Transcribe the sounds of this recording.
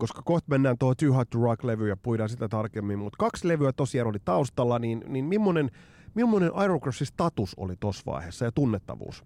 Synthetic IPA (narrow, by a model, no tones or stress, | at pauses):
koskɑkoht̪menːæːnt̪ohot̪yːhɑt̪ːurɑkleʋyːjɑpujɾɑːnsit̪æt̪ɑrkemːimmut̪kɑksleʋyæt̪osiɑːnolit̪ɑust̪ɑlːɑniːnninmimːonen | mimːonenʔɑjrokrɑsist̪ɑt̪uso̰lit̪osʋɑ̰ihesːɑjɑt̪unːet̪ːɑ̰ʋṵːs